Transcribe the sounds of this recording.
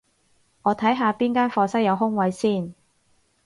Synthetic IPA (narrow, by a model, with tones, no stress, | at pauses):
ŋɔː˨˧t̪ʰɐ˨˥jɦaː˧piː˥nkaː˥nfɔː˧sɐ˥k̚jɐ˨˧wɦʊ˥ŋwɐ˨˧jsiː˥˩n